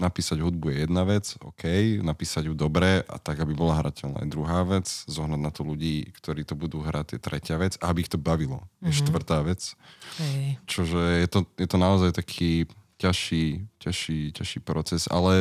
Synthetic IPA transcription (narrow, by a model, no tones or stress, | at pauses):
napiːsaɟɦud̪̚bujɛjɛd̪naʋɛt͡sɔ̰kʰɛjnapiːsaɟjud̪ɔbɾɛʔa̰t̪aɡabibɔlaɦɾa̰cɛlna̰ːd̪ɾuɦaːʋɛt͡szɔɦnad̪nat̪ɔluɟiːkt̪ɔɾiːt̪ɔbud̪uːɦɾʔat̪jɛt̪ɾʔɛcɪaʋɛd͡zaabiːxt̪ɔbaʋilɔ̰jɛʃt̪ʋr̩t̪aːʋɛt͡s | t͡ʃɔʒɛjɛt̪ɔjɛt̪ɔnaɔzajt̪akʰiːcaʃiːcaʃiːcaʃiːpɾɔt͡sɛza̰lɛ